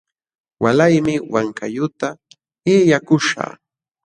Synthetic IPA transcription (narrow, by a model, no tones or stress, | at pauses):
walajmɪwaŋkʰajʊt̪a | ɪjakʊʃa̰ː